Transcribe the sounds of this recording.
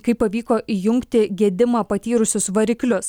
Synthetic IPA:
kɐɪpːɐʋʲiːkoːʔijʊŋʲkt̪ʲɪɡʲiɛd̪ʲɪmɑːpɐt̪ʲiːɾʊsʲʊsʋɐɾʲɪklʲʊs

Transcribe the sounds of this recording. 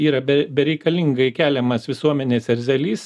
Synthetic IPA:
iːɾɐbʲɛbʲɛɾʲɛɪkɐlʲɪŋɡɐɪkʲæːlʲɛmɐsʋʲɪsuɔmʲɛnʲeːsɛɾʲzʲɛlʲiːs

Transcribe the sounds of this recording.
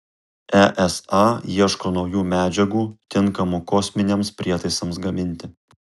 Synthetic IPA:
æʔɛsɑːiɛʃkoːnɒʊjuːmʲæːd͡ʒʲɛɡuːt̪ʲɪŋˑkɐmukɔːsʲmʲɪnʲemspʲɾʲiɛt̪ɐɪsɐmsɡɐmʲɪnʲt̪ʲɪ

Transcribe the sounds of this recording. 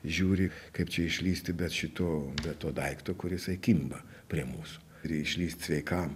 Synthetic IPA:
ʒʲuːɾʲɪkɐɪpt͡ʃʲɛɪʃʲlʲiːsʲt̪ʲɪbʲɛt̪ʃʲɪt̪oːbʲɛt̪t̪ːoːd̪ɐɪkt̪oːkʊɾjɪsɐɪkʲimbɐ | pʲɾʲiɛmuːsʊ̥ | ɾʲɪɪʃʲlʲiːsʲt̪ʲsʲʋʲɛɪkɐm

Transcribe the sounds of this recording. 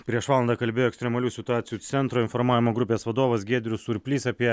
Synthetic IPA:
pʲɾʲiɛʃʋɑːlˠɐnd̪ɑːkɐlʲbʲeːjoːɛkst̪ɾʲɛmɐlʲuːsʲɪt̪ʊɑːt̪sʲɪjuːt̪sʲɛnt̪ɾoːɪnfɔɾmɑːʋʲɪmoːɡɾʊpʲeːsʋɐd̪oːʋɐsɡʲeːd̪ʲɾʲʊsʊɾʲpʲlʲiːsɐpʲiɛ

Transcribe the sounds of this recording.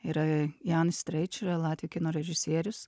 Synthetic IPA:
iɾɐjɑːnsʲt̪ʲɾɐɪt͡ʃʲɪɾɐlˠɑːt̪ʲʋʲijokʲɪnoːɾʲɛʒʲɪsʲiɛɾʲʊs

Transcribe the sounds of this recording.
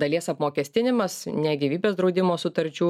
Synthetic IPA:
d̪ɐlʲiɛsɐpmoːkʲɛːsʲt̪ʲɪnʲɪmɐsnʲæɡʲiːʋʲiːbʲeːsd̪ɾɒʊd̪ʲɪmoːsʊt̪ɐɾʲt͡ʃʲuː

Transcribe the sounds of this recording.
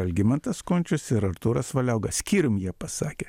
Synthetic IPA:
ɐlʲɡʲɪmʲɛnt̪ɐskoːnʲt͡ʃʲʊsɪɾɐɾt̪uːɾɐsʋɐlʲɛʊɡɐsʲkʲiːɾʲʊmjiɛpɐsɑːkʲeː

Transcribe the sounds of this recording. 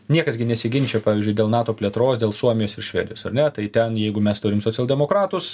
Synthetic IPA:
nʲiɛkɐsɡʲɪnʲɛsʲɪɡʲɪnʲt͡ʃʲɛpɑːʋʲiːzʲd͡ʒʲʊɪd̪ʲeːlˠnɑːt̪oːpʲlʲiɛt̪ɾoːsd̪ʲeːlˠsuɔmʲɪjoːsɪɾʃʲʋʲɛ̰ːdʲɪjoːsɐ̰rnʲɛt̪ɐɪt̪ʲɛnjɛɪɡʊmʲɛst̪ʊɾʲɪmsoːt͡sʲɛlˠʲdʲɛmoːkɾɑːt̪ʊs

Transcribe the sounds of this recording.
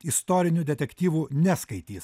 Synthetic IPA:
ɪst̪oːɾʲɪnʲud̪ʲɛt̪ʲɛkʲt̪ʲiːʋuːnʲæskɐɪt̪ʲiːs

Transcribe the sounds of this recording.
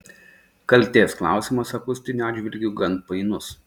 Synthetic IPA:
kɐlʲt̪ʲeːsklˠɑ̰ˑʊsʲimɐsɐkʊsʲt̪ʲɪnʲuɑːd̪ʲd͡ʒʲʋʲɪlʲɡʲʊɡɐnt̪̚pɐɪnʊs

